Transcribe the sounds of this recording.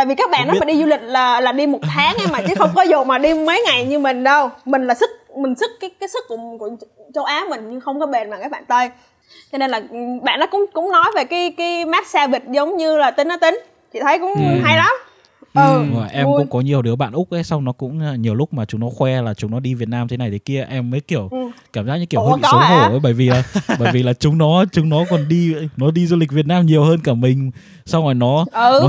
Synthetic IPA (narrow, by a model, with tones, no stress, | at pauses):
a̰ː˧˨jvi˨˩kaː˦˥k̚ɓa̰ː˧˨nɗɔ˨˦˨ma˨˩ɗi˧zu˧lï˨˩k̟̚laː˨˩laː˨˩ɗi˧mo˨˩t̪ʰaː˨˦ŋʔɛ˧maː˨˩t͡ɕɨ˨˦xə˧wŋ͡mkɔ˨˦zo̰˧˨˩maː˨˩ɗi˧mə˨˦jŋa˨˩jɲɨ˧mï˨˩ŋ̟ɗə˧wmï˨˩ŋ̟laː˨˩sɨ˦˥k̚mï˨˩ŋ̟sɨ˦˥kkaː˨˦jkaː˨˦jsɨ˦˥kːʊ˧˩əku˧˩ət͡ɕo˨˦ʔaː˨˦mï˨˩ŋ̟ɲɨ˧ŋxə˧wŋ͡mkɔ˨˦ɓe˨˩nmaː˨˩kaː˦˥k̚ɓaː˧˨nt̪əː˧j | t͡ɕɔ˧ne˧nlaː˨˩˨ɓa̰ː˧˨nːɔ˨˦kʊ̰˧˥ŋ͡mkʊ̰˧˥ŋ͡mnɔ˨˦jve˨˩kaː˨˦jkaː˨˦jmaː˦˥t̚saː˧vi˨˩t̚zə˨˦wŋ͡mɲɨ˧laː˨˩t̪ï˨˦ŋ̟ʔɔ˨˦t̪ï˨˦ŋ̟ | t͡ɕḭ˧˨t̪ʰə˨˦jkʊ̰˧˥ŋ͡mɦa˧jla˨˦m | ʔzɔ̰˨˩jʔɛ˧kʊ̰˧˥ŋ͡mkɔ˨˦ɲi˨˩əwɗɨ˨˦əɓa̰ː˧˨nʔʊ˦˥k͡p̚ʔə˨˦jsa˧wŋ͡mnɔ˨˦kʊ̰˧˥ŋ͡mɲi˨˩əwlʊ˦˥k͡p̚maː˨˩t͡ɕʊ˨˦ŋ͡mnɔ˨˦xwɛ˧laː˨˩t͡ɕʊ˨˦ŋ͡mnɔ˨˦ɗi˧vi˨˩ət̚naː˧mt̪ʰe˨˦na˨˩jt̪ʰe̥˨˦ki˧əʔɛ˧mːəː˨˦jki˧˩əwkkaː˧˩mzaː˦˥k̚ɲɨ̰˧˥i˧˩˧hḭ˧˨so˨˦o˧˩ʔə˨˦ɓəː˧˩jvi˨˩ʔəː˨˧˩ɓəː˧˩vi˨˩laː˨˩t͡ɕʊ˨˦ŋ͡mnɔ˨˦t͡ɕʊ˨˦ŋ͡mnɔ˨˦kɔ˨˩nɗi˧nɔ˨˦ɗi˧zu˧lï˨˩k̟̚vi˨˩ət̚naː˧mɲi˨˩əwhəː˧nkaː˧˩mï̟˨˩ | sa˧wɔ˨˩jnɔ˨˦ʔə˨˩˨